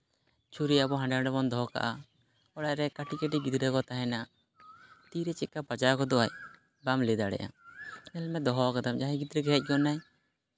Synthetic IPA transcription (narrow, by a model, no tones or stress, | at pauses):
t͡ʃuɾiabɔɦãɳɖaɖɛbɔnd̪ɔɦɔka̰ʔa | ɔɽaʔɾɛkaʈikaʈiɡid̪ɾɛkɔt̪aɦɛnaa | t̪iɾɛt͡ʃɛt̪̚kapad͡ʒakɔd̪ɔaj | bamlɛd̪aɽɛ̰ʔa̰nɛlmɛd̪ɔɦɔakad̪amd͡ʒaɦɛ̃ɡid̪ɾɛɡɛɦɛc̚ˀkɔnaj